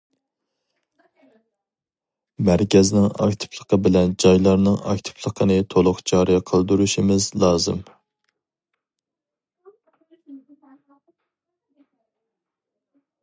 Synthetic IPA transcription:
mæɾkʲɛznɪŋɑ̰kʲt̪ʰɨ̥plˠəqʰəbɪlɛnd͡ʒɑjlˠɑɾnɨŋɑ̰k̚ʲt̪ʰɨ̥plˠəqʰənɨt̪ʰolˠʊqd͡ʒɑɾiqʰəlˠd̪uɾuʃimɪzlˠɑːzɨ̰m

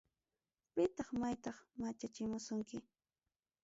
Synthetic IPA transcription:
pɪt̪ɑχmajt̪ɑχmat͡ʃat͡ʃɪmʊsʊŋkɪ

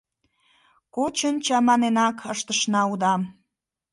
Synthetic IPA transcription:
kot͡ɕənt͡ɕɑmɑnenɑkʰəʃt̪əʃnɑud̪ɑm

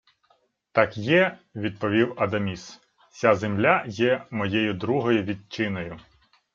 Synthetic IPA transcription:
t̪ɑkjɛʋʲid̪̚pɔʋʲiwɐd̪ɐmʲis | t͡sʲazemlʲajɛmɔjɛjʊd̪ɾuɦɔjʊʋʲid̪̚t͡ʃɪnɔjʊ

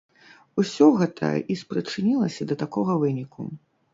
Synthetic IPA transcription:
usʲɔɣɛt̪ʰɐ̰ʔispɾɨt͡ʂɨnʲilˠɐsʲɐd̪ɐt̪akɔɣɐvɨnʲikʰṵ

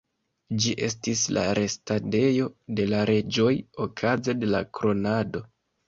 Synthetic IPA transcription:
d͡ʒiʔe̞stisla̰ɾe̞stade̞jo̞de̞laɾe̞d͡ʒo̞jo̞kʰaze̞de̞lakɾo̞nado̞

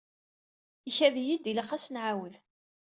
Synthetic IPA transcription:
içæðjid̪iləχæsnʕawəð

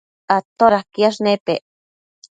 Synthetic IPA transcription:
at̪oɾahkiaʃnepeʔ

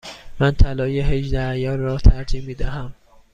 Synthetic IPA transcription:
mænt̪ʰælɒːjeɦeʒd̪æjɒːnrɒːt̪ʰæɾd͡ʒiːmːiːd̪æhæm

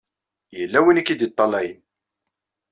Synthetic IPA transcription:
jəlːæwinikːid̪it̪ˤːɑlæjən

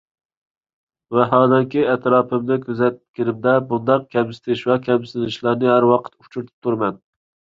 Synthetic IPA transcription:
vɛɦɑːd̪ɛŋkʲʰiɛt̪ɾɑːpʰɨmnɪkʲʰøzɛt̪̚kʲɪnɪmd̪ɛbund̪ɑq̚kʲʰɛmsɪ̥t̪ʰɪʃvɛkʲʰɛmsɪ̥t̪ʰɪnɪʃlˠɑɾnɨɦæɾwɑqʰə̥t̪u̥t͡ʃʰuɾt̪ʰɪ̥p̚t̪ʰuɾmɛn

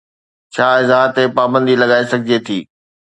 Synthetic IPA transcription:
t͡ɕʰaːɪzaːɦt̪epaːbə̃nd̪ilɐɠaːesɐɡʱɪd͡ʑet̪ʰiː

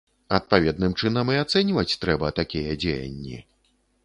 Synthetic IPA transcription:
ɐt̪̚pavʲɛd̪̚nɨmt͡ʂɨnɐmiat̪sɛnʲvɐt͡sʲt̪ɾɛbɐt̪akʲijɐd͡zʲejɐ̰nʲːḭ

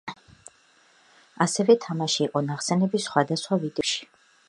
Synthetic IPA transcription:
asɛvɛt̪ʰamaʃiːqʼɔnaχsɛnɛbisχwad̪asχwavid̪ɛʃi̥

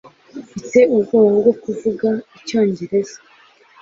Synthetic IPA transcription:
fite̞uɡoːwoɡo̞kuvuɡaico̞ːɲɟe̞ɾe̞za

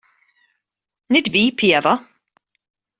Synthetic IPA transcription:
nɪdviːpʰiɛva

